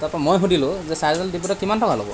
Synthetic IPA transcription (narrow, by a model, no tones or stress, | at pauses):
taɹpɔɛmojɦudilʊ̃zɛsajzɔldiputɔkimantʰɔkalɔ̰bɔ̰